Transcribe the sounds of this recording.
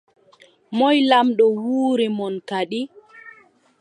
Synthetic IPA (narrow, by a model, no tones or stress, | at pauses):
mɔjlamɗɔwuːɾɛmɔnkaɗi